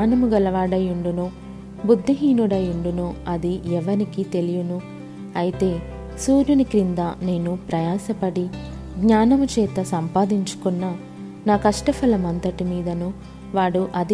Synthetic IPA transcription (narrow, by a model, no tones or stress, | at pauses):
nɐmuɡɐlɐʋaːɽɐjuɳɖunuː | bud̪ʱːiɦiːnuɽɐjuɳɖunuːɐd̪iɛʋɐnikit̪e̞lijunu | ɐjit̪e̞ː | suːɾjunikɾind̪aːne̞ːnupɾɐjaːsɐpɐɽi | ɡɲaːnɐmut͡ʃɛːt̪ɐsɐmpaːd̪iɲt͡ʃu̥kunːɐ | naːkɐʂʈɐfɐlɐmɐnt̪ɐʈimiːd̪ɐnu | ʋaːɽuʔɐd̪i